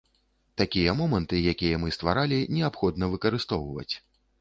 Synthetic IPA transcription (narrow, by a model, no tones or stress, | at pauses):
t̪akʲijɐmɔmɐnt̪ɨjakʲijɐmɨst̪va̰ɾalʲinʲɛapxɔd̪nɐvɨkɐɾɨst̪ɔwvɐ̰t͡sʲ